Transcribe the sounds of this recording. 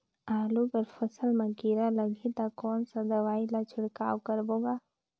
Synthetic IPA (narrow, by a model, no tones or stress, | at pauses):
aːlupəɾfʰəsəlmakiɾaləɡit̪akɔːnsad̪ɐʋaːilat͡ʃʰɪɽka̰ːwkəɾboːɡaː